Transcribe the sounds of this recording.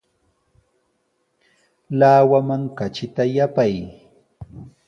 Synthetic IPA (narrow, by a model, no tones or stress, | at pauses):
laːwamaŋkat͡ʃɪt̪ajapaj